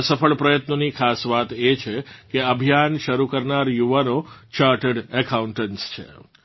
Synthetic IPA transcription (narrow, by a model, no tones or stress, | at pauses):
səfəɭpɾəjət̪nonikʰasʋat̪et͡ʃʰekeəbʱijanʃəɾukəɾnaɾjuʋanot͡ʃaɾʈəɖəkauɳʈənst͡ʃʰḛ